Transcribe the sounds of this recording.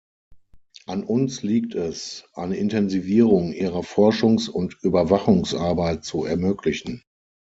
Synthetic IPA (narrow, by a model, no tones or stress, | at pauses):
ʔanʊnsliːktʰɛsʔa̰ɪnəɪntʰɛnziviːʁʊŋʔiːʁɐfɔɐʃʊŋsʊntʔyːbɐvaχʊŋsʔaɐbaɪt̚t͡suɛɐmøːkʰlɪçn̩